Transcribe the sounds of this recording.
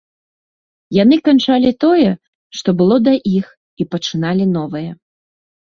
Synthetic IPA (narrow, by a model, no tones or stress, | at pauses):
janɨkant͡ʂalʲit̪ɔjɛ | ʂt̪ɔbɨlˠɔd̪ɐʔix | ipɐt͡ʂɨn̪alʲin̪ɔvɨjɛ